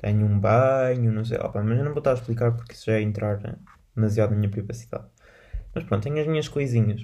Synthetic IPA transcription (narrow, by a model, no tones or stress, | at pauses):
t̪ḛɲũbɐɲunɐ̃w̃s̬ḛjʔɔ̰pamɐʒewnɐ̃w̃volˠt̪aɾʃplˠik̬aɾpuɾki̥su̥ʒaɛẽnt̪ɾʔaɾ̰ | ðmɐzjaðunɐmiɲɐpɾivɐsiða̰ð | mɐʃpɾõnt̪t̪eɲuɐʒmiɲɐʃkojziɲɐʃ